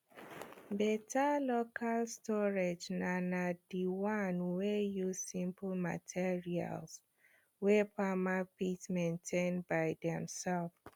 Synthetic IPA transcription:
bɛtalokʰalstɔɹed͡ʒnãnadiwãnwɛjuzsĩmplma̰tʰiɹia̰ls | wɛpamapitsmẽntʰẽnbaɪdɛ̃msɛlf

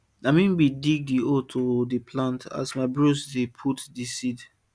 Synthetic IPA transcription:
amĩnbidik̚diotʰodipʰlãntʰa̰smaɪbɹosdepʰutdisid

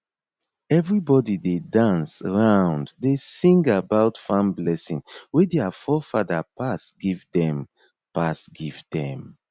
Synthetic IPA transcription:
ɛvɹibɔdidedãnsaɹãʊ̃nddesĩŋɡabaʊtfãmblɛsĩŋwedɛafɔfaðapasɡ̥ivdɛ̃m | pasɡivdɛ̃m

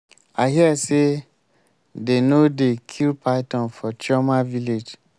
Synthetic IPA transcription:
aɦiɛse | denodekʰilpʰaɪtɔ̃nfɔt͡ʃɔmaviled͡ʒ

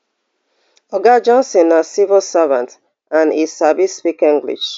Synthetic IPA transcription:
ɔɡad͡ʒɔ̃nsɔ̃nasivɔlsavãnt | ãnissabispikĩŋɡlḭʃ

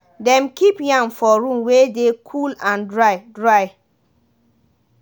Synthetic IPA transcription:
dɛ̃mkipjãŋfɔɹũmwedekʰulãndɹaɪdɹaɪ

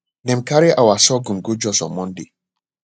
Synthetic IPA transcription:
nɛmkaɾiʔawasɔɡumɡud͡ʒɔsɔ̰mɔndi

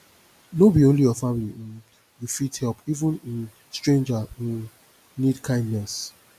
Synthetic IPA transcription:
nobiõnlijɔfamili | ufithɛlpivũnĩn | stɹẽnd͡ʒa | nidkʰãɪ̃ndnɛs

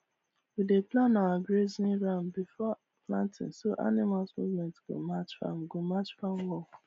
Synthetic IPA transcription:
wideplãnawabɹezĩnɹãmbifɔ | plãntɪ̰̃nsoʔa̰nimalsmṵvmɛ̃ntɡ̥o̰mat͡ʃfa̰mɡomat͡ʃfãmwɔ

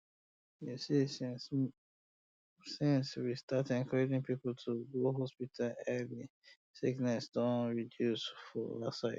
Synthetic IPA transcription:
jusi | sĩnswistatĩŋkʰɔed͡ʒĩŋpipltʰuɡoɦɔspitʰalɛli | siknɛsdɔ̃nɹidjusfɔlasaɪ

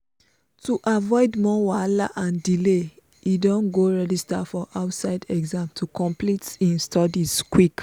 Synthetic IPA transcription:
tuʔavɔɪdmɔwalaʔãndile | idõnɡoɹɛdistafɔʔaʊtsaɪdɛɡzãmtʰukʰɔ̃mplitĩnstʰɔdizkwik

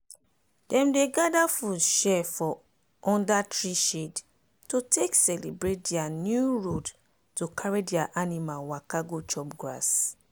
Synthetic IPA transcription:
dɛ̃mdeɡadafudʃɛfɔ | ʔɔ̃ndatɹiʃed | totʰeksɛlibɹet̚dɛanjuɹod | tokʰaɹidɛaʔanimalwakaɡot͡ʃɔpɡɹa̰s

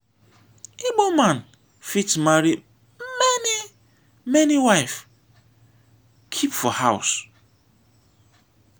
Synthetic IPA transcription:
ibomãn | fitmaɾi | mɛni | mɛniwaɪf | kʰipfɔhaʊs

